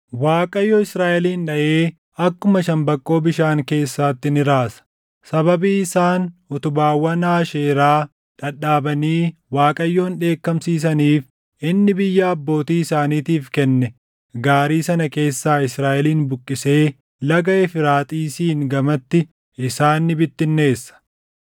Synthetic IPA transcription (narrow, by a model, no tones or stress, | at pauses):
waːkʼɐjːɔɪsɾaːʔɛliːnᶑɐʔeː | ɐkːʊmɐʃɐmbɐkʼːo̞ːbɪʃaːŋke̞ːsːaːt̪ːɪnɪɾaːsɐ̥ | sɐbɐbiːɪsaːnʊt̪ʊbaːwːɐnaːʃeːɾaː | ᶑɐᶑaːbɐniːwaːkʼɐjːo̞ːnᶑe̞ːkːɐmsiːs̬ɐniːf | ɪnːɪbɪjːaːɐbːo̞ːt̪iːɪsaːniːt̪iːfkɛnːɛ | ɡaːɾiːsɐnɐke̞ːsːaːɪsɾaːʔɛliːnbʊkʼːɪse̞ː | lɐɡɐʔɛfɪɾaːt̪ʼiːsiːŋɡɐmɐt̪ːɪ | ɪsaːnːɪbɪt̪ːɪnːe̞ːsːɐ̥